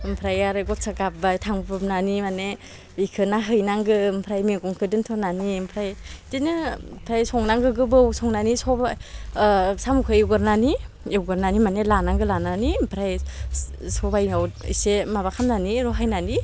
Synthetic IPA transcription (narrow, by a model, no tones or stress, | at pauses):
mpʰɾajaɾɯɡɔt̚sʰaɡap̚bajtʰaŋbɯmnanimane | ikʰɯnaɦɯjnaŋɡɯmpʰɾajmeɡɔŋkʰɯdɯntʰɔnanimpʰɾajtinɯpʰɾajsɔŋnaŋɡɯɡɯbɯwsɔŋnanisɔba | samukʰɯjiwɡɯɾnani | wɡɯɾnanimanelanaŋɡɯlananimpʰɾaj | sɔbajnawisemaβakʰamnaniɾɔɦajnani